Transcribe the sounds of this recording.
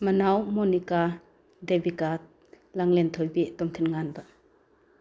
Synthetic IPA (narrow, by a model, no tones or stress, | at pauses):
mɐnawmɔnika | debika | laŋlɛnt̪ʰɔjbet̪ɔmt̪ʰinŋanba